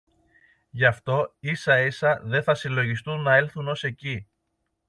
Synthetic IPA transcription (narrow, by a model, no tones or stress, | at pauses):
ʝɐft̪o̞isɐisɐðe̞θɐsilo̞ʝist̪unːɐe̞lθuno̞se̞ci